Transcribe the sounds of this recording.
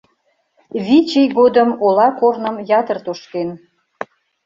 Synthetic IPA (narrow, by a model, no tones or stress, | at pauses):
βʲit͡ɕijɣod̪əmolɑkornə̆mjɑt̪ərt̪oʃken